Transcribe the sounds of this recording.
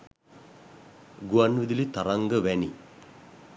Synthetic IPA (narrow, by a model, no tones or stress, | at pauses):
ɡuanːʋid̪ilit̪ɐɾaŋɡəʋɛni